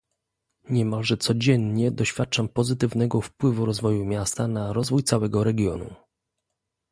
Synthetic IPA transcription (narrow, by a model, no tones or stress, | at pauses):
ɲɛmalʐɛt̪sɔd͡ʑɛnɲɛd̪ɔɕfʲjat̪̚t͡ʂampɔzɘt̪ɘvnɛɡɔfpwɘvuɾɔzvɔjumʲjast̪anaɾɔzvujt̪sawɛɡɔɾɛɡʲjɔ̰nṵ